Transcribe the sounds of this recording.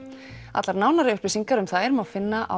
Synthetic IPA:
a̰t̪laɾnaːwnaɾɪʏɾ̥pɪsiŋkaɾʏmθaðɛɾʏmawfɪnːaʔa

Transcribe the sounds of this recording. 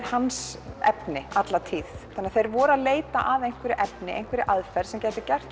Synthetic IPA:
hansɛ̰pnɪat̪lat̪ʰiːðθanːaθejɾvɔːɾaðleːjt̪aʔaðejn̥kvɛɾɪʔɛpnɪʔḛjnkvɛɾɪʔaðfɛɾ̥sɛmcɛːt̪ɪcɛr̥t̪

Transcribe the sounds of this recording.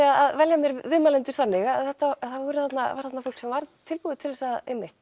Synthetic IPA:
aaðvɛljamjɛɾvɪðmalɛnt̪ʏ̥ɾ̥θanːɪɣaθɛht̪ːaθavɔɾʏθat̪naaɾ̥θat̪nafowl̥ksɛmvaɾt̪ʰɪlpuðɪt̪ʰɪlvɛsaðejmːɪht̪

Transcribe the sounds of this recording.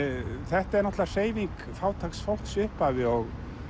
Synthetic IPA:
θɛht̪aɛɾnɔht̪lar̥eːjviŋk | faːwt̪ʰaksfowl̥ksʏhpavɪɔɣ

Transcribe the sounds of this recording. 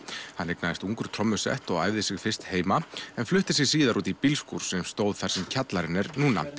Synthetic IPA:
hanːeknaðɪst̪uŋkʏɾ̥t̪ʰɾɔmːʏsɛ̰ht̪ɔɣa̰ːjvðɪsɪɣfɪr̥st̪heːjmaɛnflʏht̪ɪs̬ɪɣs̬iːðaɾʔuːt̪ipilskṵɾ̥sɛmst̪oːwðθaɾ̥sɛmcʰat̪laɾɪnɛɾnuːna̰

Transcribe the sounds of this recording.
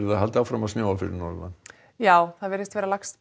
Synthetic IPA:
ɾaɦalt̪ɪawfɾamaðsnjaːwalfɪɾɪ̰ɾnɔɾma̰n | jaːwθaðvɛɾɪst̪vɛːɾalakst̪

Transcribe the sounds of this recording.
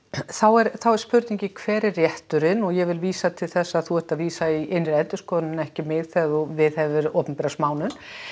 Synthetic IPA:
θawɛɾθawɛɾspʏɾt̪niɲcɪkʰv̥ɛːɾɛrːjɛht̪ʏɾɪnɔɣjɛvɪlviːsat̪ʰɪlθɛsːaθuɛht̪aðviːsaiʔɪnːɾɪɾɛnt̪ʏskɔːðnʏnɛhcɪmɪɣθɛðɔvɪðhɛvɪɾɔːpʏnpɛɾasmaːwnʏn

